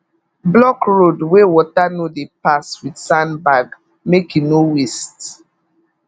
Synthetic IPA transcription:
blɔkɹodwewɔtanodepaswidsãnbaɡ | mekinowist

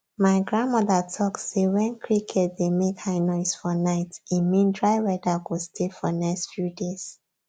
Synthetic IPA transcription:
maɪɡɹãnmɔðatʰɔksewɛ̃nkʰɹikʰɛt̚demekhaɪnɔɪsfɔnaɪtĩnmĩndɹaɪwɛdaɡostʰefɔ̰nɛkstfjudes

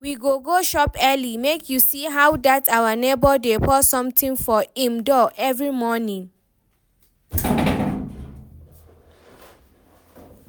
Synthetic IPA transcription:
wiɡoɡoʃɔpɛlimekʰjusiɦawdatawanebɔdepʰɔsɔ̃mtĩŋfɔĩmdɔʔɛvɹimɔnĩŋ

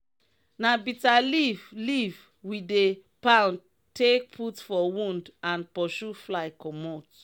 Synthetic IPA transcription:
nabitalivliv | widepãʊ̃n | tʰek̚pʰutfɔwũndãnpɔʃuflaɪkʰɔmɔt

